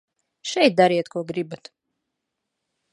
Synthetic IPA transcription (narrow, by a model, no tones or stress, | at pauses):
ʃɛjt̪̚d̪aɾiɛt̪kuɔɡɾibat̪